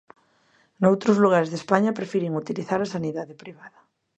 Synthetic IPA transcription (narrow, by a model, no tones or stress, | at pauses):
nowt̪ɾozluɣ̞aɾezðespaɲapɾefiɾiŋut̪iliθaɾasaniðaðepɾiβ̞aðɐ